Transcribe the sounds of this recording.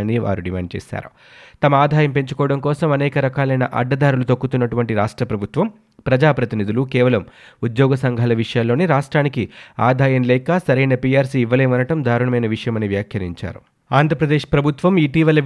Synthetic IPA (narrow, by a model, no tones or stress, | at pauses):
niʋa̰ːɾuɖimaːɳɖ̚t͡ʃɛ̰ːsa̰ːɾu | t̪ɐmɐaːd̪ʱaːjɐmpe̞ɲt͡ʃu̥kɔːɽɐŋkɔːsɐmɐnɛːkɐɾɐkaːlɐjnɐʔɐ̰ɖːɐd̪aːɾulut̪ɐkːut̪unːɐʈuʋɐɳʈiɾaːʂʈɾɐpɾɐbʱut̪ʋɐm | pɾɐd͡ʒaːpɾɐt̪inid̪ulukɛːʋɐlɐm | ud̪jɔːɡɐsɐŋɡʱaːlɐʋiʂɐjalːo̞ːneːɾaːʂʈɾaːnikiaːd̪ʱaːjɐmlɛːkasɐɾɐjnɐpiaːɾsiːʋːɐleːʋɐnɐʈɐmd̪ʱaːɾuɳɐmɐjnɐʋiʂɐjɐmɐniʋjaːkʰjɐɾḭɲt͡ʃa̰ːɾu | aːnd̪ʱɾɐpɾɐd̪eːʂpɾɐbʱut̪ʋɐmiːʈiːʋɐlɐ